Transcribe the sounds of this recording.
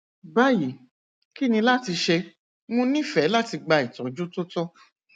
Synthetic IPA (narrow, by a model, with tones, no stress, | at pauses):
ba˦ji˨ | ki˦nĩ˧la˦ti˧ʃe˧ | mũ˦nĩ˦fɛ˨˦la˦ti˧ɡ͡ba˧i˨tɔ˨d͡ʒo˦to˦tɔ˦